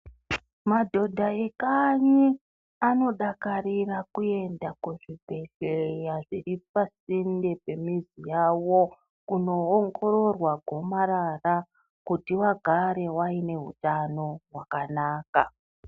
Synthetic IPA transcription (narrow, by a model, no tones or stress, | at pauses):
madʱo̞dʱaekaɲi | ano̞ɗakaɾirakue̞ndakuʐibʱe̞ɬejaʐiripasinde̞pe̞mizijawo | kuno̞ːŋɡo̞ɾo̞rwaɡʱo̞maɾara | kutiwaɡʱaɾe̞waine̞ɦṵtano̞ɦwakanaːka